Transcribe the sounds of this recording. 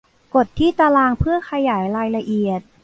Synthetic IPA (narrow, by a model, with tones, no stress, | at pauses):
ko˨˩t̪ʰːiː˥˩t̪aː˧laː˧ŋpʰɯ˥˩ɐkʰa˧jaː˩˦jɾaː˧jla˧ʔi˨˩ət̪̚